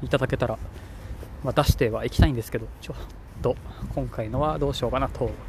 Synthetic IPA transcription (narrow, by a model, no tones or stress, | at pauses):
it̪ad̪ake̞t̪aɾa | βat̪aɕi̥t̪e̞βaikʲt̪aĩnd̪esɨ̥ke̞d̪o̞t͡ɕot̪ːo̞kʰõŋkaino̞βad̪o̞ːɕo̞ːkanat̪ʰo̞